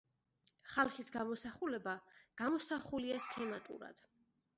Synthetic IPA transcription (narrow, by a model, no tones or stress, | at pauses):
χalˠχisɡamɔsaχulɛbaɡ̥amɔsaχuliaskʰɛmat̪ʼṵɾa̰d̪̥